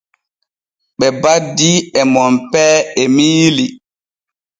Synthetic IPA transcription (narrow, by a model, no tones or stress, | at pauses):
ɓɛbadːiɛmɔmpɛːɛmiːli